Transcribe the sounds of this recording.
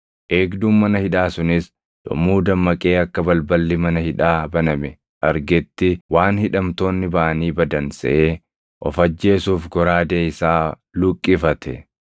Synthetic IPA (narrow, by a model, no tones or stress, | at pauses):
ʔe̞ːɡd̪uːmmɐnɐhɪᶑaːsʊnɪs | d̪̥ɔ̰muːd̪ɐmːɐkʼe̞ːɐkːɐbɐlbɐlːɪmɐnɐhɪᶑaːbɐnɐmɛ | ʔɐɾɡɛt̪ːɪwaːnhɪᶑɐmt̪o̞ːnːɪbaːʔɐniːbɐd̪ɐnsɛ̰ʔeː | ʔɔfɐd͡ʒːe̞ːsuːfɡɔɾaːd̪eːɪsaː | lʊkʼːɪfɐt̪ʰɛ